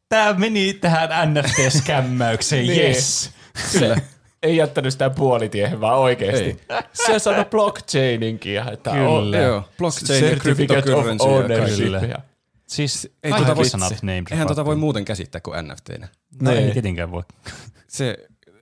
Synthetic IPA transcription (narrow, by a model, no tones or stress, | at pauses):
t̪æːmenit̪æhænænːæft̪eːskæmːæykseːjjes | eijæt̪ːænysit̪æpuolit̪ieheʋʋɑːoikeːst̪iseosɑnːub̥lokt͡ʃeiniŋkijɑet̪ːæojoːb̥lokeerkrfikt̪ek̪yoensoneijɑ̰ | siseɑot̪ɑsnt̪neimtehænt̪ot̪ɑʋoˑimmuːt̪eŋkæsḭt̪ːæːkuʔæ̰nːæ̰ft̪ḛːnæ | neket̪eŋkæ̰ʋo̰ | se